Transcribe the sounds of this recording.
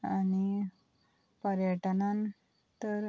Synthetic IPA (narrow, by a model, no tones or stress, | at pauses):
ani | pəɾjəʈnãn | t̪əɾ